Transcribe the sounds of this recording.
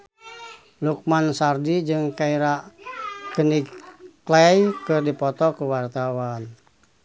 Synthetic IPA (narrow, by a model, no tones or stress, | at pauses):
luk̚mansardid͡ʒɨŋkaiɾa | kəniklɛjkɨrdipɔt̪ɔkuwart̪awan